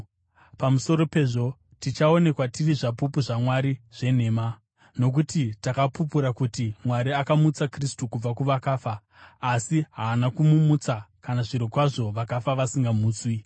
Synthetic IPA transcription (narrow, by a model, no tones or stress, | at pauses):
pamuso̞ɾo̞pe̞ʐo̞ | tit͡ʃao̞ne̞kwatiriʐapupuʐamwaɾiʐ̥e̞ne̞ːma | no̞k̬utitakapup̬uɾakutimwaɾiakamut͡sakristukub͡vakuʋakaːfaː | siɦaːnakumumut͡sakanaʐiɾokwaʐo̞ʋakafaʋasiŋɡamuːt͡swi